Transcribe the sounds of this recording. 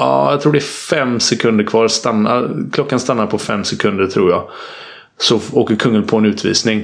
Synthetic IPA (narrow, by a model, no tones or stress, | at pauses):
ɑ̰ːja̰ɡt̪ʰɾuːɖɛæfɛmːsɛkʰɵnd̪əɾkʰvɑːɾst̪anːa̰kʰlɔkːanst̪anːaɾpʰɔfɛ̰mːsɛkʰɵnd̪əɾʈ̪ʰɾuːɾjaː | sɔoːkəɾkʰɵŋːənpʰɔɛnʉ̟ːt̪ʰvḭːsnɪŋ